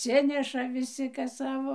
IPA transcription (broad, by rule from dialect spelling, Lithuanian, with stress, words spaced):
ɐtʲˈsʲɪnʲɛʃɐ ʋʲɪˈsʲɪ ˈkɐs ˈsɑːʋoː